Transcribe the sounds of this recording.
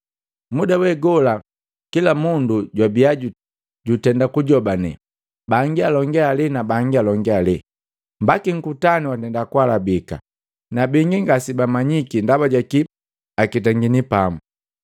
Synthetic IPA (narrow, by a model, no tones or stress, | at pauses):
mudawɛɡɔla | kilamunduɟwabiaɟu | ɟutɛndakuɟɔbanɛ̰ | baŋɡialɔŋɡɛalinabaŋɡialɔŋɡɛali | mbakiŋ̩kutaniwatɛndakwalabika̰ | nabiŋɡiŋɡasibamaɲikindabaɟaki | akitaŋɡinipamu